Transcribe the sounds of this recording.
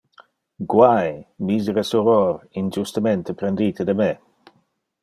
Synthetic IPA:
ɡwajmisɾesuɾoɾind͡ʒust̪ament̪epɾend̪it̪ed̪əme

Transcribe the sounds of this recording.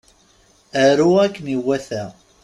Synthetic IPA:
æɾuækːniwːæθæ

